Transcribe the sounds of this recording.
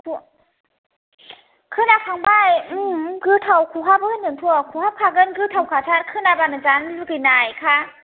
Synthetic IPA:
kʰu | kʰɯnakʰaŋbajɯɡɯtʰawkʰuɦapɯɯnɯŋtʰuakʰuhap̚kʰaɡɯnɡɯtʰawkʰatʰaɾkʰɯnabanazanɯnɯkɯjnajkʰa

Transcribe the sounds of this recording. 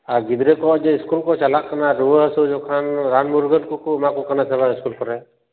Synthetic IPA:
aɡid̪ɾekɔʔd͡ʒɛiskulkɔt͡ʃalaʔkanaɾuwəəsud͡ʒɔkʰanɾanmuɾɡənkukumakɔkanasɛbaiskulkɔɾɛ

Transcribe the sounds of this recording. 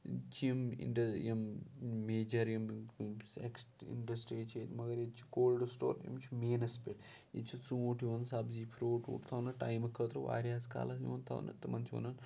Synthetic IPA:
t͡ʃʰiɐmḭɳɖɐjɐmmeːd͡ʒɐɾjɐmsḛksʈḭɳɖɐsʈɾiet͡ʃʰet̪mɐɡɐɾjet͡ʃʰi̥ɡoːlɖsʈoːɾjḭmt͡ʃʰimeːnɐspeʈ | jḭt͡ʃʰit͡suuʈʰjiʋɐnsabzipʰɾoːʈṵːʈt̪ʰɐwnɐʈa̰jmɐkʰːəːt̪ɾɐʋa̰ːɾʲjaːska̰ːlɐsiʋɐnt̪ʰɐ̰wnɐ̰t̪ɐmɐnt͡ʃʰiʋɐ̰nɐn

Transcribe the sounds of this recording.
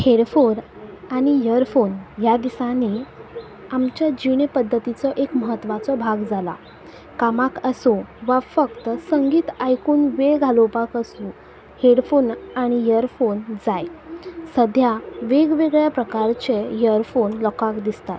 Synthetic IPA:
heɽfoɾ | aɽ̃ijəɾfonjad̪isani | amt͡ɕjad͡ʑiɽepəd̪ʱːət̪it͡sɔʔekməɦət̪ːʋat͡sɔbʱaɡd͡zala̰ | kamakəsoʋafəkt̪əsəŋɡiːt̪ajkuːnʋeɡʱalopakəsũ | heɽfonaɽ̃ijəɾfond͡zajsəd̪ʱjaʋeɡʋeɡɭjapɾəkaɾt͡ɕejəɾfonlɔkakd̪ist̪at̪

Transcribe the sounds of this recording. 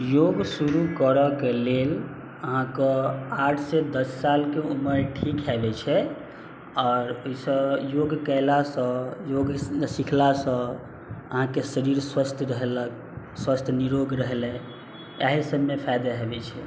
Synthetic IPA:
joɡsuɾukəɾəkelel | əɦãkəaʈʰsed̪əsːalkeuməɾʈʰikɦɛbɛt͡ʃʰɛ | ɔːɾoisə̃joɡkəɪlasə̃joɡsikʰlasə̃ | əɦãkesəɾiɾswəst̪ʰɾəɦlə | swəst̪ʰniɾoɡɾəɦlɛ̃ | aɦisəbmepʰajd̪aɦebɛt͡ʃʰɛ

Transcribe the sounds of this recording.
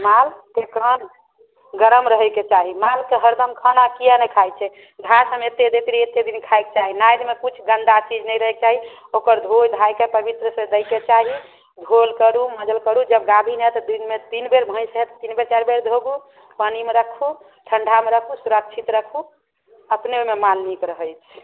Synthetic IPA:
malkekən | ɡəɾəmɾəɦɛket͡ʃaɦimalkeɦəɾd̪əmkʰənakijanɛkʰajt͡ʃʰɛ | ɡ̪ʱasəmet̪ed̪et̪ɾiet̪ed̪inkʰajk̚t͡ʃaɦinajd̪mekut͡ʃʰɡənd̪at͡ʃid͡ʒnɛjɾəɦek̚t͡ʃaɦiokəɾd̪ʱojd̪ʱajkepəbit̪ɾəsə̃d̪əjket͡ʃaɦi | d̪ʱolkəɾuməd͡ʒəlkəɾud͡ʒəbɡad̪ʱinɛt̪ɔd̪inmet̪inbeɾbʱə̃j̃səɦet̪t̪inbeɾt͡ʃaɾbeɾd̪ʱoɡu | pənimeɾəkʰu | ʈʰəɳɖʱameɾəkʰusuɾək̚t͡ʃʰit̪ɾəkʰu | əpneomemalnikɾəɦəjt͡ʃʰ

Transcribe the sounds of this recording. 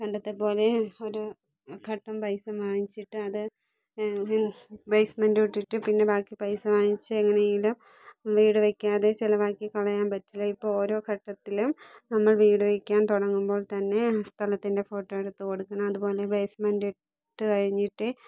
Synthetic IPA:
kɐɳɖɐt̪ːɐpo̞ːle̞o̞ɾu | kʰɐʈːɐmpɐjsɐmʋaːjit͡ɕːiʈːɨɐðɨ | bejsmɐndiʈːiʈːɨpinːe̞baːkːipɐjsɐmaːjit͡ɕːɨeŋːɐnejilum | ʋiːɽɨʋekʲːaːðe̞t͡ɕilɐʋaːkːikɐɭɐjaːnpɐtːiloipːooːɾo̞ːkʰɐʈːɐt̪ːilumnɐmːɐɭʋiːɽɨʋekʲːaːnt̪uɽɐŋːumbo̞ːɭt̪ɐnːe̞st̪ʰɐlɐt̪ːinde̞fo̞ːʈːoːjiɽɨt̪ːɨoɽukːɐɳɐmɐðupo̞ːle̞bejsmɐndi | ʈːɨkɐɻiɲːiʈːɨ

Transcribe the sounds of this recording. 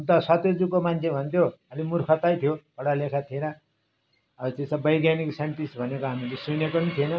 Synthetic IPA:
unt̪ʌsʌt̪jod͡zukomant͡sʰebʱʌnt̪ʰjoʌlimurkʰʌt̪ajt̪ʰijopʌɽalekʰat̪ʰienʌ | ʌt̪esʌbʌjɡjaniksaɳʈisbʱʌnekoɦamilesunekonit̪ʰienʌ

